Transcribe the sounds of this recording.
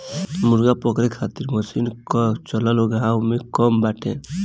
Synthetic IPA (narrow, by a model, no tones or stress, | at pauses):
muɾɡapɔkɾekʰat̪iɾməsinkt͡ʃɔlaloɡawmekɔmbaːʈʰḛ̃